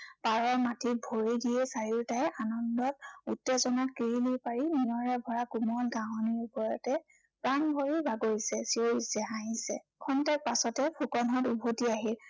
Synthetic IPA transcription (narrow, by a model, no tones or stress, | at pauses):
paɹɔɹmatʰibʱoɹiɡijɛsaɹiɹtajʔanɔndɔt̚utːezɔnat̚kiɹilipaɹinijɔɹɛbʱɔɹakumɔlɡaɦɔniɹupɔɹɔtɛ | pɹaŋbʱoɹibʱaɡoɹisɛsioɹisɛɦaɦĩsɛ̰ | kʰɔntaɹpasɔtɛpʰukɔnɦɔtubʱotiaɦil